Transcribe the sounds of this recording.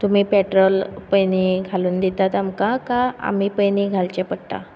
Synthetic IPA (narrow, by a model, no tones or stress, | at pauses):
t̪um̤iːpeʈɾɔlpəjniɡʱaluːnd̪it̪at̪amkãkaa̰m̤iːpəjniɡʱalt͡ɕepəɽʈ̪a̰